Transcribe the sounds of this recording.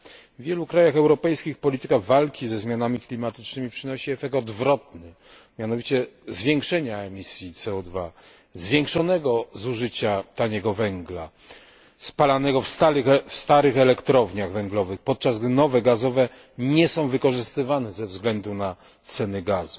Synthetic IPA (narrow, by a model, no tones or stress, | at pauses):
vvʲjɛlukɾajaxɛwɾɔpɛjskʲixpɔlʲit̪ɘkaɣvalkʲizɛzmʲjanamʲiklʲimat̪ɘ̥t͡ʂnɘmʲipʂɘnɔɕiɛfɛk̚t̪ɔd̪vɾɔt̪nɘ | mʲjanɔvʲit͡ɕɛzvʲjɛŋkʂɛɲaɛmʲisʲjit̪sɛɔd̪va | zvʲjɛŋkʂɔnɛɡɔzuʐɘt͡ɕat̪aɲɛɡɔvɛŋɡla̰ | spalanɛɡɔfst̪afst̪aɾɘxɛlɛkt̪ɾɔvɲaɣvɛŋɡlɔvɘxpɔt̪̚t͡ʂazɡd̪ɘnɔvɛɡazɔvɛ | ɲɛsɔ̃w̃vɘkɔʐɘst̪ɘvanɛzɛvzɡlɛnd̪una | t̪sɛnɘɡazu